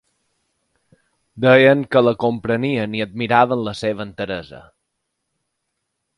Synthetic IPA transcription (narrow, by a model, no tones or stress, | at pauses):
d̪ɛjəŋkələkompɾəniəniəd̪̚miɾaβənləseβ̞ənt̪əɾəzə̰